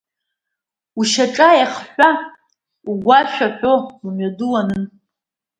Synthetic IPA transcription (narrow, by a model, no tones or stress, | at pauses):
uʃaʈ͡ʂʼajaχħʷa | uɡʷaʃʷᶣaħʷᶣoumɥadulanɨn